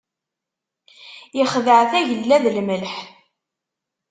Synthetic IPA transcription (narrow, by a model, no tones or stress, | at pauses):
jəχðəʕθæʝəlːæðlməlħ